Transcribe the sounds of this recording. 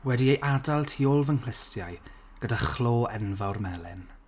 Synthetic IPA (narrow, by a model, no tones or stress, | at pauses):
wɛdiejʔadalˠtʰiːɔlˠvənkʰlɪstʰjaj | ɡ̥ədaχloːɛnvawrmɛlˠɪ̰n